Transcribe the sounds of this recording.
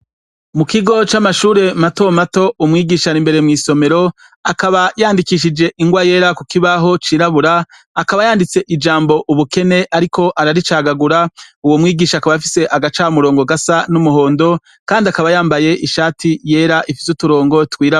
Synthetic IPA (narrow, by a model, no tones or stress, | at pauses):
mukiɡo̞t͡ʃamaʃuːɾe̞mato̞mato̞umŋiːɡiːʃaɾimbe̞ɾe̞mŋiːso̞me̞ɾo̞ | akaβajaːndikiʃ̬id͡ʒe̞ʔiŋɡwaje̞ːɾakukiβaɦo̞t͡ʃiːɾaβuɾaː | kaβajaːndit͡se̞ʔid͡ʒaːmbo̞ʔuβuke̞ne̞ʔaɾikʰo̞ʔaɾaɾit͡ʃaːɡaɡuɾauwo̞mŋiːɡiːʃakaβafise̞ʔaɡat͡ʃaːmuɾo̞ːŋɡo̞ɡasanumuɦo̞ːndo̞ | kaːndiakaβajaːmbaje̞ʔiʃaːtʰije̞ːɾaʔifi̥sutuɾo̞ːŋɡo̞tkwiːɾa